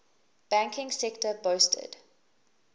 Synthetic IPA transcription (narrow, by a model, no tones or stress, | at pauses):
b̥æ̃ŋkʰɪ̃ŋsɛktəboːstʰə̰d̥